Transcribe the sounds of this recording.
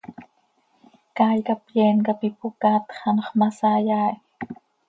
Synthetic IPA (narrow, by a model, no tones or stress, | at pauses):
kaːjkapjeːnkapipukaːt̪χɑnχmasaːjaːji